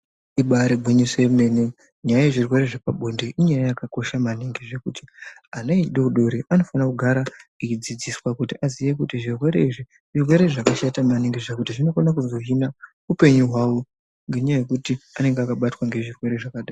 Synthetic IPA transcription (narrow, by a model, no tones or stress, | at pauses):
iɓaɾebʱuɲisemnene | ɲajaje̞ʐirwe̞ɾe̞ʐepaɓo̞nde̞ʔiɲajajakako̞ʃamaniŋɡiʐe̞kuti̥aneiɗeuɗo̞ɾiʔano̞fanakuɡʱaɾait͡ʃid͡zid͡ziswakutiʔazije̞kutiʐirwe̞ɾe̞iʐi | ʐirwe̞ɾe̞ʐakaʃatamaniŋɡeʐakutiʐino̞fonakuzo̞ɦina | upe̞ɲuɦwawo | ŋɡe̞ɲajaje̞kutiane̞ŋɡeakaɓatwaŋɡe̞ʐirwe̞ɾe̞ʐakaɗaːa